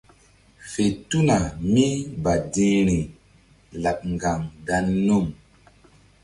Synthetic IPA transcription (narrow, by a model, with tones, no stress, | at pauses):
fe˨tu˦na˨mi˦ba˨dĩ˦ɾi˨ | la˨ɓ̚ŋɡa˨ŋda˧nːu˦˨m